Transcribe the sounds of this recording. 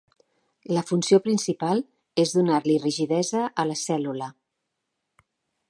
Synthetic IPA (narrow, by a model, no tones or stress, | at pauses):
ləfunsiopɾinsipalˠ | ezðunaɾliriʒiðɛzəʔələsɛlulə